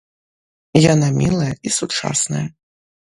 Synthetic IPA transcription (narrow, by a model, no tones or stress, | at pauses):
janamʲilˠɐjɐisut͡ʂa̰snɐ̰jɐ